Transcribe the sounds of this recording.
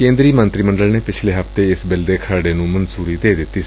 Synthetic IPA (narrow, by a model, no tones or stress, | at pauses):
kẽːnd̪ɾiːmə̃nt̪ɾiːmə̃ɳɖəlneːpɪt͡ʃʰleːɦəft̪eɪsbɪld̪eːkʰəɾɽeːnũːmənsuːɾiːd̪eːd̪ɪt̪ːiː